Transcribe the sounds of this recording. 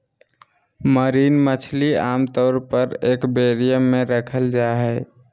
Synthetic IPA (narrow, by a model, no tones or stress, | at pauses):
məɾiːnmət͡ʃʰliaːmt̪ɔːɾpəɾeːkbeɾijəmːeɾəkʰəld͡ʒaɦɛ